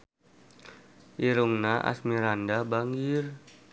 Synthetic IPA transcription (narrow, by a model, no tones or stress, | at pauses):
ʔiɾuŋnaʔa̰smiɾandabaŋɡir